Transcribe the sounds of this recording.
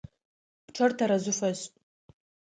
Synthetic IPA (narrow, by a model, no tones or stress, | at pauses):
pʰʈ͡ʂʰartʰaɾazʷʊfazʼ